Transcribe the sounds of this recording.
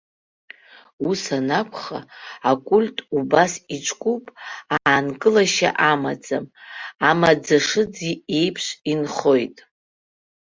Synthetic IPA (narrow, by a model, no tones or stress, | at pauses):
usanakʷʰχaːkʷʼulʲtʼubasit͡ʃʷʼkʷʼupʼaːnkʼɨlaʃa̰ʔamad͡zʼamamad͡zaʂɨd͡zie̞jpʰʂinχo̞jtʼ